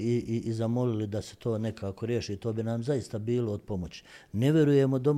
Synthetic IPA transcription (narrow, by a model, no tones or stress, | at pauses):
iʔiʔzamo̞lilid̪aset̪ʰo̞ːne̞kaːko̞ɾje̞ːʃiːt̪o̞ːbinamzajist̪abiːloːd̪̚po̞mot͡ɕi̥ne̞ʋʲje̞ɾuje̞mod̪o̞m